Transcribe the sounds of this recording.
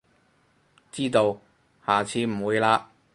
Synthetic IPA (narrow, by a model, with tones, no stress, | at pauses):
t͡siː˥t̪o˧w | haː˨t͡sʰiː˨˧m̩˨˩wuː˨˧jlaː˧